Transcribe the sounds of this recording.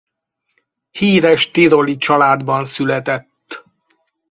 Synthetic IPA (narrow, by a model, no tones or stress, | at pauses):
hiːɾɛʃt̪iɾolit͡ʃɒlaːd̪bɒnsylɛt̪ɛt̪ː